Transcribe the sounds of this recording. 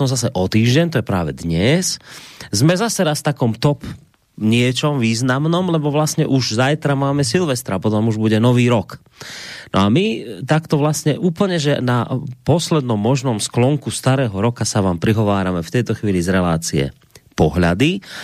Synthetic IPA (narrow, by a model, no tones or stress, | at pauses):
ɔmzasɛʔɔt̪iːʒɟɛɲt̪ɔjɛpɾaːʋɛ̰d̪ɲɛszmɛzasɛɾasft̪akɔmt̪ɔp | ɲɪɛt͡ʃɔmʋiːznamnɔmlɛbɔʋlasɲɛʔuʒzajt̪ɾamaːmɛsilʋɛst̪ɾapɔt̪ɔmuʒbuɟɛnɔʋiːɾɔk | nʔɔ̰amit̪akt̪ɔʋlasɲɛʔuːpl̩ɲɛʒɛnapɔslɛd̪nɔmːɔʒnɔmsklɔŋkust̪aɾɛːɦɔɾɔkasaʋaːmpɾiɦɔʋaːɾamɛft̪ɛjt̪ɔxʋiːlizɾɛla̰ːt͡siɛ̰ | pɔɦʎa̰d̪i